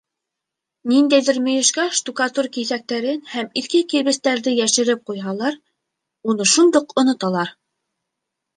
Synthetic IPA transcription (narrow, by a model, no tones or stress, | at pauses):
nind̪æjðɘ̆ɾmɵ̆jɘ̆ʃkæʃt̪ukɑt̪urkiθæk̚t̪æɾɘnhæmiθkɘkiβɘ̆st̪æɾðɘjæʃɘ̆ɾɘp̚qujɦɑlˠɑɾ | unɤʃund̪oqŏnŏt̪ɑlˠɑɾ